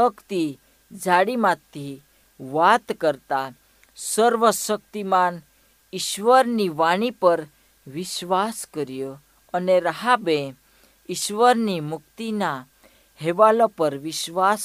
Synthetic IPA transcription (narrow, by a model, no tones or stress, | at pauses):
əkt̪i | d͡zʱaɽimat̪ːi | ʋat̪kəɾt̪a | səɾʋəsək̚t̪iman | iɕʋəɾniʋaɽ̃ipəɾ | ʋiɕʋaskəɾjə | əneɾaɦabẽ | iɕʋəɾnimukt̪ina | heʋalɔpəɾʋiɕʋas